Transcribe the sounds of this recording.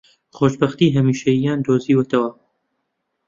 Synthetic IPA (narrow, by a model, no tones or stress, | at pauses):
xoːʃbɐxt̪iːɦɐmiːʃɐjijaːnd̪oːziːwət̪ɐwɐ